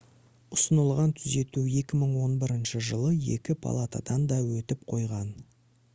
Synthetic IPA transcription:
ʊsənəlˠʁɑnt̪ʰʏze̞t̪uje̞kʲɪməɴwo̞nbɪɾɪnʃəʒəlˠəje̞̰kʲɪpʰa̰lˠat̪a̰d̪ɑnd̪ɑwɵt̪ɪp̚qʰo̞jʁɑn

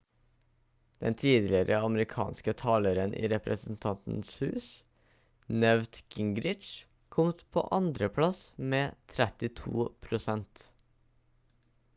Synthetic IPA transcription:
d̪̥ɛ̰nt̪ʰiːd̪lɪɾʔəɑməɾɪkʰɑ̰ːnskət̪ʰɑːləɾənʔḭːɾɛpɾəsn̩t̪ʰɑnt̪n̩shʉːs | nœʋt̪ɡ̥ɪŋɡɾɪt͡ʃ | kʰɔmt̪pʰo̰ːʔɑnd̪ɾəpʰlɑsmeːt̪ʰɾɛt̪ɪt̪ʰṵːpʰɾʊsɛnt̪

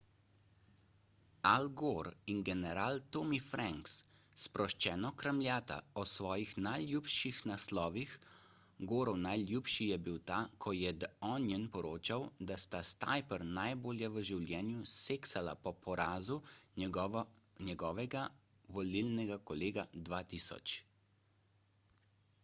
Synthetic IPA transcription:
alɡoːɾinɡɛnɛɾaːlt̪oːmifɾɛŋksspɾɔʃt͡ʃɛːnɔkɾamlʲjaːt̪a̰ɔsʋɔːjixnajljuːpʃixnaslɔːʋix | ɡoːɾɔwnajljuːpʃijɛbiwt̪aːkʰɔjɛd̪ɔnjɛnpɔɾoːt͡ʃawd̪ast̪ast̪a̰jpəɾnajboːljɛʋəʒiwljɛːnjuseːksala̰pɔpɔɾaːzu | nɛɡɔːʋɛɡa | ʋɔlilnɛɡakɔleːɡad̪ʋaːt̪isɔ̰t͡ʃ

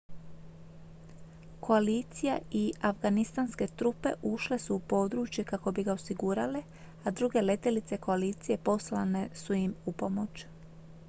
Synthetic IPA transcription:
kʰo̞aliːt̪sija̰iafɡanist̪anske̞t̪ɾupe̞ʔuʃle̞suːpo̞ːd̪ɾuːt͡ʃje̞kako̞biɡaosiɡuːɾale | ad̪ɾuɡe̞le̞t̪e̞lit̪se̞ko̞aliːt̪sije̞po̞slane̞sujimupo̞mo̞t͡ʃ

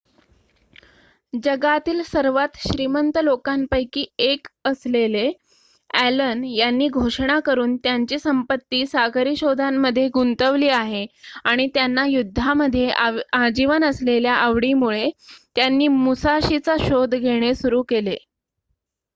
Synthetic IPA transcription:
d͡ʑəɡat̪iːlsəɾʋat̪ɕɾimənt̪əlokampəjkiːekəslele | ælənjanːiːɡʱoʂɳakəɾuːnt̪jaɲt͡ɕiːsəmpət̪ːiːsakəɾiːɕod̪ʱamːəd̪ʱːjeɡunt̪əʋliːaɦeaɽ̃it̪janːajud̪ʱːaməd̪ʱːjead͡ʑiʋənəsleljaʔəʋɽimuɭet̪janːiːmusaɕit͡saɕod̪ʱɡʱeɽ̃esuɾuːkele

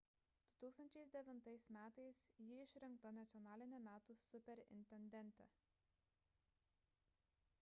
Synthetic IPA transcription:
d̪̥ʊt̪uːkst̪ɐnʲt͡ʃʲɛɪsd̪ʲɛʋʲɪnt̪ɐɪsmʲæːt̪ɐɪsjɪɪʃʲɾʲɪŋk̚t̪ɐnʲɐt̪sʲɔnɑːlʲɪnʲɛmʲæːt̪uːsʊpʲɛɾʲɪ̰nʲt̪ʲɛnʲd̪ʲɛnʲˑt̪ʲɛ̰

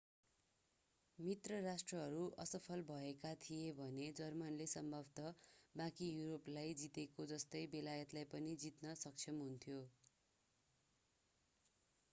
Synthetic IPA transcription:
mit̪rʌrasʈrʌɦʌɾuʔʌsʌpʰʌlbʱʌekat̪ʰijebʱʌned͡zʌrmʌnlesʌmbʱʌbʱt̪ʌbãkijuɾoplajd͡zit̪ekod͡zʌst̪ʌjbelajʌt̪lajpʌnid͡zit̪nʌsʌk̚t͡sʰʌmɦunt̪ʰjo

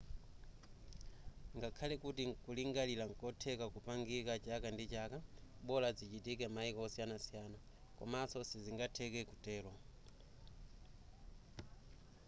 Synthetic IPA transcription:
ŋɡakʰalɛkutiŋkuliŋɡalilaŋkɔtʰɛkakupaŋɡikat͡ʃakandit͡ʃakaɓɔlad͡zit͡ʃitikɛmaikɔɔsijanasijana | kɔ̰masɔsiziŋɡatʰɛkɛkutɛːlɔ

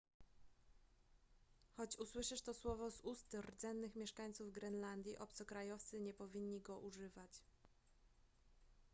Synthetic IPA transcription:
xɔt͡ɕuswɘʂɛʂt̪ɔswɔvɔzust̪rd̪zɛnːɘxmʲjɛʂkaɲt̪suvɡɾɛnland̪ʲjiʔɔpt̪sɔkɾajɔft̪sɘɲɛpɔvʲiɲːiɡɔʔuʐɘvat͡ɕ

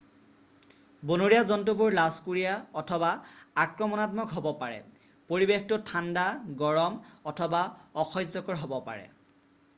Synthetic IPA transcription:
bonoɹijazɔnt̬up̬uɹlaskuɹijaɔtʰɔbaakɹɔmɔnat̬mɔkɦobɔpaɹɛ̰ | poɹibextʊtʰandaɡɔɹɔmɔtʰɔbaɔxʰɔjzɔkɔɹɦobɔpa̰ɹɛ̰

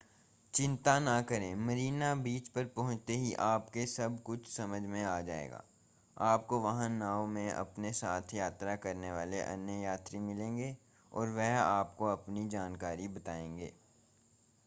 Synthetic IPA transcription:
t͡ʃɪ̃nt̪anakɐɾẽːmɐɾiːnabiːt͡ʃpɐɾpɐɦʊ̃t͡ʃt̪eɦiʔaːpkesɐbkʊt͡ʃʰsɐməd͡ʒʱmẽaːd͡ʒa̰ːḛːɡa̰ː | aːpkoʋɐɦãnãːomẽʔɐ̰pnesaːt̪ʰjaːt̪ɾakɐɾneʋaːleʔɐ̰njəjaːt̪ɾimɪlẽːŋɡe | ɔ̰ːɾʋɛɦaːpkoɐpnid͡ʒaːnkaːɾibɐt̪aːẽːŋɡḛː

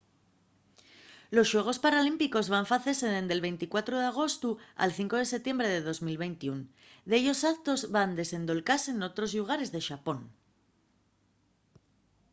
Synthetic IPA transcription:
lo̞sʃwe̞ɣ̞o̞spaɾalimpiko̞zβaɱfaθeseðend̪e̞lβe̞jnt̪ikwat̪ɾoð̞eaɣ̞o̞st̪ua̰lθiŋko̞ð̞e̞set̪je̞mbɾe̞ðe̞ðo̞zmilβe̞jnt̪iun | d̪eʎo̞sakt̪o̞zβand̪e̞se̞nd̪o̞lkase̞no̞t̪ɾo̞zluɣ̞aɾe̞zðeʃapo̞n

